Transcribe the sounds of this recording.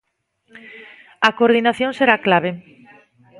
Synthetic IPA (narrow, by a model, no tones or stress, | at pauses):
ɐkoɾðinaθjõŋseɾaklaβ̞e